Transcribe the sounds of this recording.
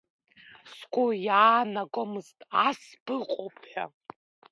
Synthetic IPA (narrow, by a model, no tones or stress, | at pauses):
skʷʼojaːnaɡʷʼomɨztʼasbɨqʼopʰħʷᶣa̰